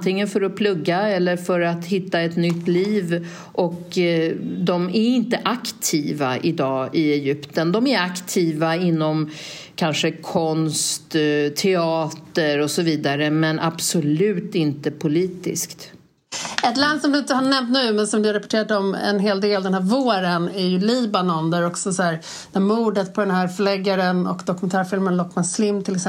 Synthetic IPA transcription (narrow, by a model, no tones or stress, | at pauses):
t̪ʰɪŋːənfœɾɔpʰlɵɡːaɛlːəɾfœɾat̪hɪt̪ːaɛt̪nʏt̪ːliːv | ʔɔk | d̪ɔmæɾɪnt̪əʔakt̪ʰiːvaʔɪd̪ɑːɪɛjʏpt̪ənd̪ɔmæɾakt̪ʰiːvaɪnːɔm | kʰanʂəkʰɔnst̪t̪ʰɛɑːt̪əɾɔsɔviːd̪aɾəmɛnʔab̥sɔlʉ̟ːt̪ɪnt̪əpʰʊliːt̪ɪ̰skt̪ | ɛt̪land̪sɔmd̪ɵɪnt̪əhanɛmt̪nʉ̟ːmɛnsɔmd̪ɵaɾɛpɔʈʰeːɾat̪ɔmɛ̰nɦeːld̪eːld̪ɛnhæːɾvoːɾənæɾjɵliːbanɔnd̪æɾɔksɔsɔæːɾ | d̪æːmuːɖət̪̚pʰɔd̪ɛnhɦæːɾfœɭɛɡːaɾənɔ̰kd̪ɔkɵmɛnt̪ʰæːɾfɪlmənlɔkːmaslɪmːt̪ʰɪlɛksɛ